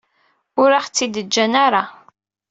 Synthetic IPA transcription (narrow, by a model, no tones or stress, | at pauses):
ʊɾaχt͡sːid̪əd͡ʒːænaɾˤa